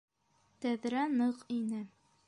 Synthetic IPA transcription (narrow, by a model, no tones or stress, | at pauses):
t̪æðɾænɤqinɘ